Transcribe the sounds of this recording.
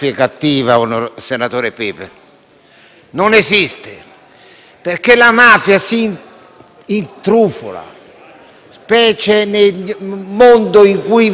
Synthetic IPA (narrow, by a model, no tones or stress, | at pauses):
fjekat̪ːiːvaunosenat̪oːɾepiːp | nonezist̪e | perkelamaːfjasi | int̪ɾuːfʊ̰la̰ | spɛːt͡ʃenemond̪oiŋkuj